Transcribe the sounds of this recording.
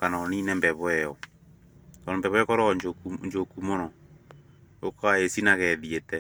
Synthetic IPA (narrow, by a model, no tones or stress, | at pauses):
kanɔninɛmbɛβwɛɔ | kɔɔmbɛβwɛkɔɾɔɲd͡ʒokuɲd͡ʒokumɔɾɔ | okaesinaɣɛðietɛ